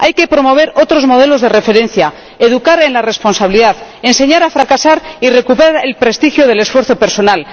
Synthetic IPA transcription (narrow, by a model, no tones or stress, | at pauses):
ajke̞pɾo̞mo̞β̞e̞ɾo̞t̪ɾo̞zmo̞ð̞e̞lo̞zðe̞re̞fe̞ɾẽ̞nθja | eðukaɾe̞nlare̞spo̞nsaβiliðaðe̞nse̞ɲaɾafɾakasaɾire̞kupeɾaɾelpɾe̞st̪ixjoð̞e̞le̞sfwe̞ɾθo̞pe̞ɾso̞nal